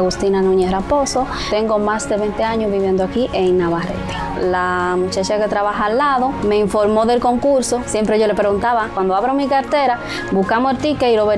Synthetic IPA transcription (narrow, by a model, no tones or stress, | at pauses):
ɣust̪inanũɲesɾaposo | t̪eŋɡomasd̪eβent̪eaɲozβiβje̞nd̪oakiʔeŋnaβaɾḛt̪ɾa | lamut͡ʃat͡ʃaket̪ɾaβaxaːlːaðome̞iɱfoɾmoðelkoŋkuɾsosjempɾeʝolepɾeɣunt̪aβakwand̪oaβɾomikaɾt̪eɾa | buhkamoeɾt̪ikailoβe